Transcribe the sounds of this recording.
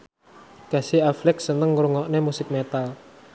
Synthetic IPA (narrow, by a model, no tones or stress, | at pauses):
ɡ̥a̤siaflɪk̚sənəŋɾuŋɔʔnemusɪk̚met̪al